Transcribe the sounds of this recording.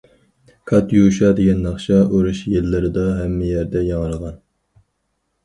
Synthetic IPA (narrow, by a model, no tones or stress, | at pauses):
kʰɑt̪juʃɑd̪eɡʲɛnːɑχʃɑʔuɾuʃjelːɪɾɪd̪ɑɦɛmːɪjæɾd̪ɛjɑŋəɾʁɑn